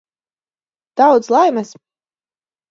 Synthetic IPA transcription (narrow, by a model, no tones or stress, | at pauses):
d̪̥awd̪slˠajmɨs